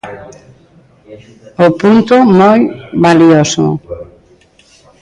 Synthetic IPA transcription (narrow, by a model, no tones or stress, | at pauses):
opunt̪ʊmojβaliosʊ̰